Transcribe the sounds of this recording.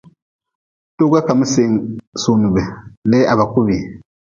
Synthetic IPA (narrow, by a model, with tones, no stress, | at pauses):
tu˦ɡa˦ka˨mu˦se˨ŋ˨suː˨nu˨be˨le˦ʔa˨βa˨ku˦βi˨